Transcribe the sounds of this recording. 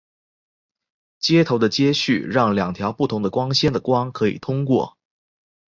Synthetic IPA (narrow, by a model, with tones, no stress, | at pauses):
t͡ɕjɛ˥t̪ʰo˧˥ʊd̪ə˧t͡ɕjɛ˥ɕy˥˩ɻɑ˥˩ŋljɑ˨˩ŋt̪ʰjɑ˧˥ʊpu˥˩t̪ʰʊ˧˥ŋd̪ə˧kwɑ˥ŋɕjɛ˥nd̪ə˨kwɑ˥ŋkʰɤ˧˥ḭ˨˩t̪ʰʊ˥ŋkwɔ̰˥˩